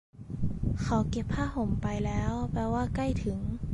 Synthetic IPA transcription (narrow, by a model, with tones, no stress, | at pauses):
kʰa˨˦wke˧˦pʰːaː˥˩ho˨˩˦mpa˧jlɛː˦˥wpɛː˧waː˥˩ka˥˩jt̪ʰɯ˩˦ŋ